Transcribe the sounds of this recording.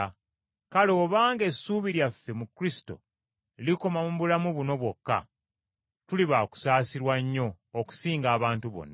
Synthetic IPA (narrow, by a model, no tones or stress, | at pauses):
kalo̞ːβaːŋɡe̞suːβiɾjafːe̞mukɾisi̥to̞̰ | liko̞mamuβulamuβuno̞βwo̞kːa̰ | tuliβaku̥saːsiɾwaɲːo̞ː | ku̥siːŋɡaːβaːntuβo̞̰nːa